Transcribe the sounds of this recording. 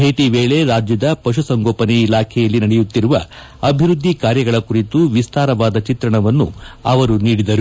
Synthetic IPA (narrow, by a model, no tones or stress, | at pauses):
bʱeːʈiʋeːɭe̞ɾaːd͡ʒjɐd̪ɐpɐʃusɐŋɡoːpɐnɛilaːkʰɛjɐlːinɐɽɛjut̪ːiɾuʋɐ̰ | ɐbʱiɾud̪ʱːikaːɾjɐɡɐɭɐkuɾit̪uʋist̪aːɾɐʋaːd̪ɐt͡ʃit̪ɾɐɳɐʋɐnːṵɐʋɐɾuniːɽid̪ɐɾu